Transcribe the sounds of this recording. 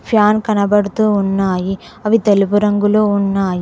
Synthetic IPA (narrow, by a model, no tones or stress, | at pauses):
pʰjaːnkɐnɐbɐɽɯt̪ːuʊnːaːjiɐʋit̪ɛlɯbɯɾɐŋɡɯloːʊnːaːji